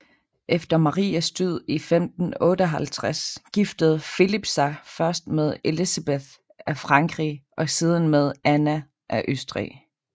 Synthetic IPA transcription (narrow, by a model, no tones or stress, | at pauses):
ʔefd̥ɐmɑ̈ʁḭːæsd̥yð̞̰ˠifemd̥n̩ɔ̽ːɾəɒɦælt͡sʰʁasɡ̥ifd̥əð̞̩ˠfilib̥sɑ̈ɪfɶɐsd̥með̞ˠe̝lisæb̥eθ | æfʁɑ̈ŋɡ̥ʁḭʔɒ̽siːð̞ˠən̩með̞ˠænæ | ʔæʔøsd̥ʁḭ